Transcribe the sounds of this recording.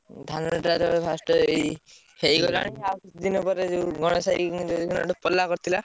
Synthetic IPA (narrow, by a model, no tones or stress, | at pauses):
d̪ʱanɔeʈaɾɔpʰasʈɔej | hejɡɔlɔa̰ɽ̃iaɔpʰisɔd̪inɔpɔɾed͡ʒewɡɔɽ̃ɔsajint̪ud̪ikʰunɔ̰ʈɔpɔlːakɔɾt̪ʰila